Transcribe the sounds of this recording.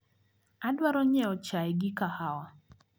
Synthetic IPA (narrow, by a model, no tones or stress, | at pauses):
adwaɾɔɲɛɔt͡ʃaɛɡɪkahawa